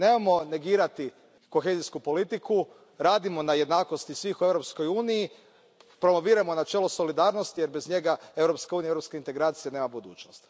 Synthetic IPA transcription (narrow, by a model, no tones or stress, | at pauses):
neːmamo̞ne̞ɡiːɾat̪i | ko̞xeziskupo̞lit̪iku | ɾaːd̪imo̞naje̞d̪naːko̞st̪isʋixuewɾo̞pskojuːniji | pɾo̞mo̞ʋiːɾajemo̞nat͡ʃe̞ːloso̞lid̪aːɾno̞st̪ije̞ɾbe̞zɲe̞ɡae̞ʋwɾo̞pskauːnijaewɾopskeint̪e̞ɡɾaːt̪sijene̞ːmabud̪ṵːt͡ʃnost̪